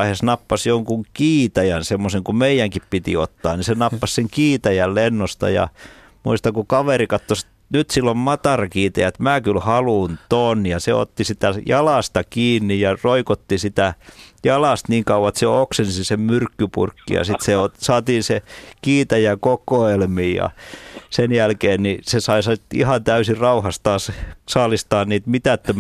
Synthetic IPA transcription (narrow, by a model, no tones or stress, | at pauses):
hesnɑpːɑsjoŋkuŋkiːt̪æjænsemːoseŋkumeijæŋkippit̪ḭot̪ːɑ̰ːnisenɑpːɑsseŋkiːt̪æjællenːost̪ɑ̰jɑ̰ | muist̪ɑŋkukɑʋerikɑt̪ːosi̥t̪ | nyt̪silːommɑt̪ɑrɑkiːt̪ɑjæet̪mæːkylhɑlunt̪oːnːijɑsḛo̰t̪ːisit̪æjɑlɑst̪ɑkiːnːijɑroikot̪ːisit̪æjɑlɑst̪niːŋkɑuʋɑet̪seoksensisemmyrkːypṵrkːḭjɑ̰sit̪seosɑːt̪iːnsekiːt̪æjækokoelmiːjɑ̰senjælkeːnnisesɑisɑit̪ḭhɑnt̪æysirɑuhɑst̪ɑːssɑːlist̪ɑːnniːt̪mit̪æt̪ːøm